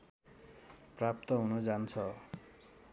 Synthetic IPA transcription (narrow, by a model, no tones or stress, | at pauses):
prap̚t̪ʌɦunud͡zant͡sʰʌ